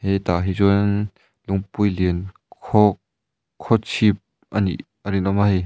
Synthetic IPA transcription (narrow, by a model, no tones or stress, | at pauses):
hɛjt̪aɦizɔn | lʊŋpujlin | kʰɔ | kʰːɔt͡sʰip̚ | ʔanḭ | əɾinɔmahɛ